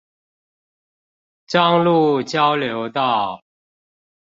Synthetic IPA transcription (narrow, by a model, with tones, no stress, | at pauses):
ʈ͡ʂɑ˥˧ŋlu˥˨t͡ɕjɑ˦ʊljo˨˧˦ʊt̪ɑ˥˨ʊ